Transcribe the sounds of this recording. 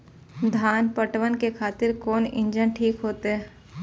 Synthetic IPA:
d̪ʱaːnpəʈʋənkekʰaːt̪ɪɾkoːnɪ̰̃ɲd͡ʒənʈʰiːkɦoːt̪eɦɛ

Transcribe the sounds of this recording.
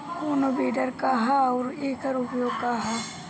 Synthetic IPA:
oːnobeːɖəɾkaɦaɔːɾeːkɐɾʊpjoːɡ̚kaɦa

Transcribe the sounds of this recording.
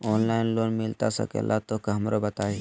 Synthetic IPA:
ɔːnlaːɪnloːnmɪlt̪asɐ̰kḛlʔat̪okɐɦmɾobɐt̪aːi

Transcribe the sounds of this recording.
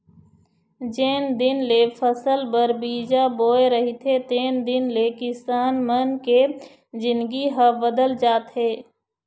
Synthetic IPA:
d͡ʒeːnd̪ɪnlefʰəsəlbəɾbiːd͡ʒaboːeɾəɦit̪ʰet̪eːnd̪ɪnlekɪsaːnmənke | zɪ̃nɡiɦəbəd̪əld͡ʒaːt̪ɦeː

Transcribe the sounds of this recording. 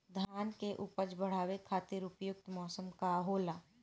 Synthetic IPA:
d̪ʱjaːnkeʔʊpəd͡ʒbəɽ̤aːwekʰːaːt̪iɾʊpjʊk̚t̪mɔːsəmkaɦoːlaː

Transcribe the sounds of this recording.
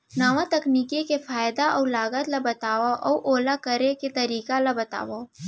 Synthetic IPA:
naːʋat̪ɐkniːkekefaːjd̪aʔɔːlaːɡət̪labɐt̪aːʋaʔɔːʔoːlakɐɾeket̪ɐɾiːkalabɐt̪a̰ːʋa

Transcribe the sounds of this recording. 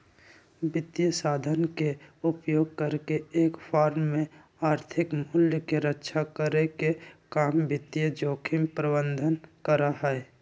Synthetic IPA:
bɪt̪ːijəsaːd̪ʱənkeʊpjoːɡ̚kəɾkeeːkfʰaːɾmːẽ | aːɾt̪ʰɪkmʊljəkeɾətːʃʰakəɾekekaːmbɪt̪ijəd͡ʒoːkʰɪmpɾəbə̃nd̪ʱənkəɾaɦɛɛ

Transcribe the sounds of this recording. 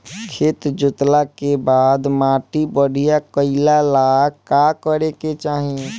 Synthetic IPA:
kʰeːt̪d͡ʒʊt̪lakebaːd̪maːʈibəɽ̤ijakəɪlalakakəɾeket͡ʃaːɦi

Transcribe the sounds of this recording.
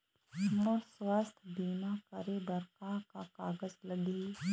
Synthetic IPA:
mɔːɾswaːst̪ʰbiːmakəɾebəɾkakakaːɡəzləɡi

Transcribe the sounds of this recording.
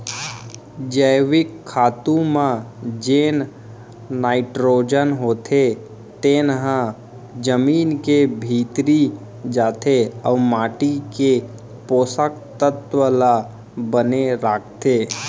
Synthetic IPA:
d͡ʒəjʋɪkʰːaːt̪ũmãd͡ʒeːn | naːɪʈɾoːd͡ʒənɦoːt̪ʰe | t̪eːnɦã | d͡ʒəmiːnkebʱiːt̪ɾi | d͡ʒaːt̪ʰeəːmaːʈike | poːsək̚t̪ət̪ʋəla | bəneɾaːk̚ʰt̪eː

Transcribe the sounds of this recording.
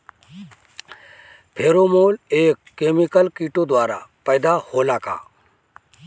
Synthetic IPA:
pʰeːɾomoːleːkːeːmikəlkiʈod̪waːɾa̰pəjd̪aholaːka̰ː

